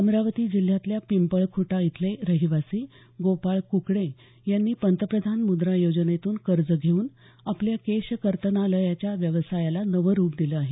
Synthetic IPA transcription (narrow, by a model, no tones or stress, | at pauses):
əmɾaʋət̪iːd͡ʑil̤jat̪ljapimpəɭkʰuʈait̪ʰleɾəɦiʋasiː | ɡopaɭkukɽe | janːiːpənt̪əpɾəd̪ʱanmud̪ɾajod͡ʑənet̪uːnkəɾd͡zəɡʱeuːn | apljakeɕkəɾt̪ənaləjat͡ɕjaʋjəʋsajalanəʋəɾuːpd̪iləaɦe